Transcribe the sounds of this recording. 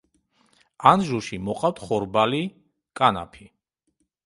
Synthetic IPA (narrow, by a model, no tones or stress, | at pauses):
anʒuʃimɔqʼawt̪ʰχɔɾbali | kʼana̰pʰi